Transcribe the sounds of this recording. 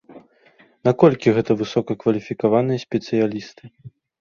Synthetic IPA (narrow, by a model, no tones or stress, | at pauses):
nakɔlʲkʲiɣɛt̪ɐvɨsɔkɐkvɐlʲifʲikavanɨjɐsʲpʲɛt̪sɨjalʲist̪ɨ